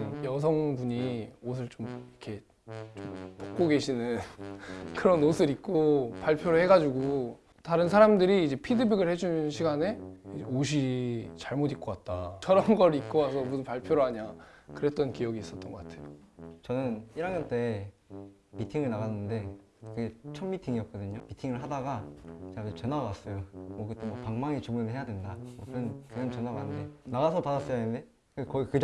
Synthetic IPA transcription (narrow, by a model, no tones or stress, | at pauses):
jʌs̬ʰʌŋbuɲiosʰɯɭt͡ɕomikʰe̞ | t͡ɕompok̚k͈oɡe̞ɕʰinɯn | kɯɾʌnosʰɯɾik̚k͈opaɭpʰjoɾɯɭhe̞ɡad͡ʑuɡo | taɾɯnsʰaɾamdɯɾiːd͡ʑe̞pʰidɯbiɡɯɭhe̞d͡ʑunnɕʰiɡane̞oɕ̬ʰit͡ɕaɭmodik͈̚ʌk͈at̚t͈a̰t͡ɕʰʌɾʌmɡʌɾɯik̚k͈ʌwasʰʌmusɯnpaɭpʰjoɾoɦaɲakɯɾe̞t̚t͈ʌnkijʌɡiis͈ʌt͈̚ʌnɡʌk͈atʰe̞jot͡ɕʌnɯniɾanɡʌnt͈e̞ | mitʰiŋɯɭnaɣanːɯnde̞ | kɯɡet͡ɕʰʌmmitʰiŋiʌk̚k͈ʌdɯɲomitʰiŋɯɭɦadaɡat͡ɕeatet͡ɕʌnaɡas͈ʌjomwʌkɯt͈emwʌpaŋmaŋit͡ɕoɡunɯɭɦe̞jadwe̞ndamwʌkɯnnkeŋat͡ɕʌnaɡanɯnde̞naɣasʰʌpadas͈ʌjannde̞ | kɯkʌɡikɯd͡ʑ